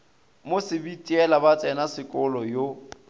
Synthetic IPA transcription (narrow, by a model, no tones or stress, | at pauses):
mosɪbitʼiɛlabat͡sʼɛnasɪkʼɔlɔjo